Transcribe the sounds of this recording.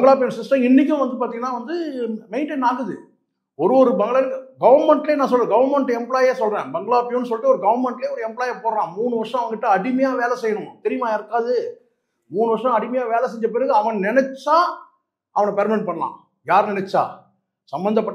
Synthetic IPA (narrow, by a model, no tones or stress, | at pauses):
bɐŋɡɐɭaːp̬ɪjɐnsɪsʈɐ̃mɪnːɪk̬ʲːʊ̃ʋɐnd̪ɯpaːɾt̪iːŋɡɐnːaːʋɐnd̪ɯmɛɪnʈenːaːɣɯðɯ̰ | ɔɾɯɔɾɯbɛŋɡɐɭaːɡɐʋɐɾmɛɳʈlejːnãːsɔlrẽːɡɐʋɐɾmɛɳʈːɯɛmpɭaːjeːsɔlrẽːbɛŋɡɐɭaːpːɪjʊnːɯs̬ɔlʈːɯɔɾɯɡɐʋɐɾmɛɳʈleːɔɾɯɛmpɭaːjepoːɾɐlãːmuːɳɯʋɐʂɐ̃ɐʋɐŋɡɪʈːɐɐɽɪmɐjaːʋeːlɛsɛjːɐnʊ̃t̪ɛɾɪjmaːɪɾɯkːaːðɯ | muːɳɯʋɐɾʂɐ̃ɐɽɪmɐjaːʋeːlɛs̬ɛɲd͡ʒɐp̬ɪɾɯɣɯɐʋɐnnɪnɛt͡ʃːaː | ɐʋɐnɐpeːɾmɪʈpɐɳːɐlã̰ː | jaːɾnɪnɛt͡ʃːa̰ː | sɐmbɐnd̪ɐpːɐʈː